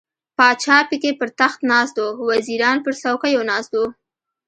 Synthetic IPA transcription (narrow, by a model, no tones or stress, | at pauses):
pɑt͡ʃɑpikepəɾt̪axt̪nɑst̪owaziɾɑnpəɾsawkajonɑst̪o